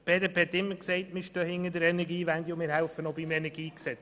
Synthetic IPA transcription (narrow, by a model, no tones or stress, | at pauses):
b̥eːdepːɛt̪ːɪmːəɾksɛɪtmɪɾʃtœːhɪŋːədəɾɛnɛɾɡiːʋænd̪iʊmɪːɾhælfənobimɛnɛɾɡiːksɛt͡s